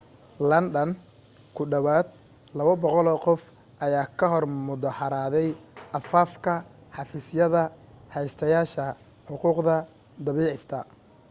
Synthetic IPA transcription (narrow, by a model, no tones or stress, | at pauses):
lɐnɖɐn | kʰʊɖɐβaːd̪̚ | lɐβɐbɔqɔlɔːqɔf | ʔɐjaːkʰɐɦɔrmʊðɐħɑɾaːðɛjʔɐfaːfkʰɐħɑfiːsjɐðɐhɛjst̪ʰɐjaːʃɐ | ħʊquːqðɐ | d̪ɐβiːʕɪst̪ʰɐ